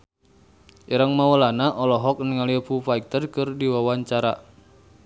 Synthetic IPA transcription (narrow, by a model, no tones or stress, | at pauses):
ʔiɾaŋmawəlanaʔɔlɔɦɔk̚nəŋalipufaik̚t̪ərkɨrdiwawaɲt͡ʃaɾa